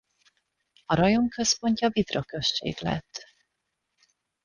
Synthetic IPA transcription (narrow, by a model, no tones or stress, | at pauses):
ɒɾɒjo̞ŋkø̞spo̞ɲcɒvid̪ro̞kø̞ʃt͡ʃḛːɡlɛ̰t̪ː